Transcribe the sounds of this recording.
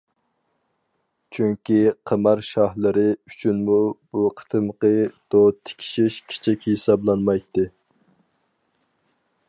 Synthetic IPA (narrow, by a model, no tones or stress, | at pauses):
t͡ʃʰyŋkʲiqʰəmɑɾʃɑhlˠɨɾɪyt͡ʃʰynmub̥uqʰə̥t̪ʰɨmqəd̪̥ot̪ʰɪ̥kʲʰi̥ʃiʃkʲʰe̥t͡ʃʰikʲhesɑblˠɑnmɑjt̪ːɨ